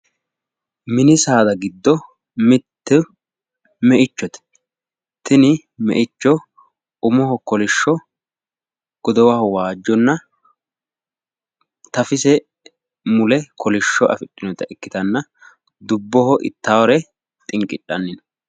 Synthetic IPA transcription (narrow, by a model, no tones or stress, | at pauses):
mɪnɪsaːd̪ɐɡɪd̪ːɔ | mɪt̪ːɪ | mɛʔɪt͡ʃːɔt̪ɛ̥ | t̪ɪnɪ | mɛ̰ʔɪt͡ʃːɔ | ʊmɔɦɔkɔlɪʃːɔ | ɡ̥ɔd̪ɔwɐhɔwaːd͡ʒːɔnːɐ | t̪ɐfɪsɛ | mʊlɛkɔlɪʃːɔʔɐ̰fɪɗʼːɪnɔt̪ɐɛkːɪt̪ɐnːɐ | d̪ʊbːɔɦɔʔɪ̰t̪ːaːwɔɾɛ | t̪ʼɪŋkʼɪɗːɐnːɪn